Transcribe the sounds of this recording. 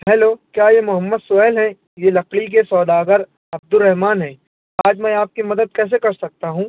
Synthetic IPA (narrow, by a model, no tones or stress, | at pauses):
ɦɛːloːkjaːjemʊɦəmːəd̪sʊɛːlɦɛ̃ | jeːlɐqlik̬esɔːd̪aːɡəɾ | ɐb̚d̪ʊɾːɛɦmaːnɦɛ̃ː | aːd͡ʒmɛ̃ːaːp̚kimɐd̪əd̪̚kɛːs̬ekɐɾsɐk̚t̪aɦũː